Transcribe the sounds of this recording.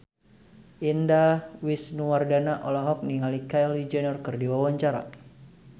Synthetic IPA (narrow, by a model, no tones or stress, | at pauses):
ʔindawisnuwardanaʔɔlɔɦɔk̚niŋalikaɛlid͡ʒɛnɔrkɨrdiwawaɲt͡ʃaɾa̰